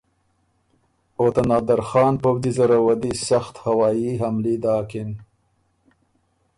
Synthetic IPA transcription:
ot̪anɑːd̪aɾxɑːnpowd̪izaɾawad̪isaxt̪hawɑːjiɦamlid̪ɑːkɪn

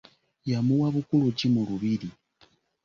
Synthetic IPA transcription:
jamuwaβukulucimuluβili

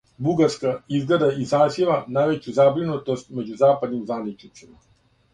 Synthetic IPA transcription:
buɡaɾskaizɡled̪aizaːzjeʋanajʋet͡ɕuzabɾinut̪o̞st̪̚me̞d͡ʑuzaːpad̪nimzʋanit͡ʃnit̪sima

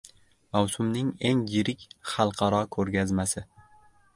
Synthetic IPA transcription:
mawsʊmnɪŋe̞ŋjɪɾɪkʲχɑlˠqʰɑɾɒkʰɵɾɡʲazmasɪ

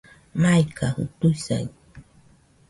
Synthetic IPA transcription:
majkʰahʊ̰t̪ʊsa̰j

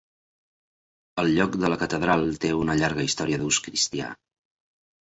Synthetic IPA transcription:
əlˠʎɔkd̪ələkət̪əðɾalˠt̪eunəʎaɾɣ̞əist̪ɔɾiəðuskɾist̪ia̰

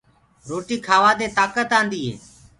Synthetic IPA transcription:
ɾoːʈiːkʰaːʋaːd̪eːt̪aːkət̪ãːnd̪iːɦḛː

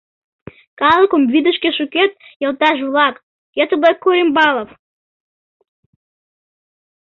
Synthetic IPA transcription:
kɑlˠəkəmvid̪əʃkeʃuket̪̚jəlˠt̪ɑʃ̬βlɑk | ket̪əbəkːuɾʲimbɑlˠof

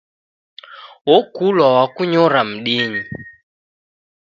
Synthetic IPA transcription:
wɔkulwawakuɲɔɾam̩ɗiɲi

